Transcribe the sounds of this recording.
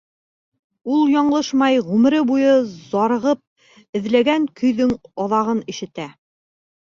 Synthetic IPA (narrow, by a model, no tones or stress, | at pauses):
ulˠjɑɴlˠɤʃmɑjʁʉm̆ɾɘbujɤzɑɾɤ̆ʁɤp̚ | ɘ̆ðlæɡæŋkʰɵ̆jðɵŋɑðɑʁɤnĭʃɘ̆t̪æ